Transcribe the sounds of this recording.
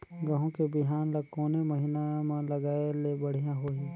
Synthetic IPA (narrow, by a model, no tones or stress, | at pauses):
ɡɐɦõkebɪɦaːnlɐkoːnemɐɦɪnamẽlɐɡaːelebɐɽ̤ijãɦoːĩː